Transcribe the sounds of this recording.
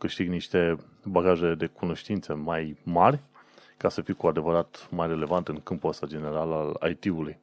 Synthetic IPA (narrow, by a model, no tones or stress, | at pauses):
kɨʃt̪iɡniʃt̪e̞ | baɡaʒe̞d̪e̞kuno̞ʃt̪int̪səmajmarʲkasəfiwkuad̪e̞vəɾat̪majre̞le̞vant̪ɨŋkɨmpuast̪ad͡ʒe̞ne̞ɾalala̰jt̪iuluj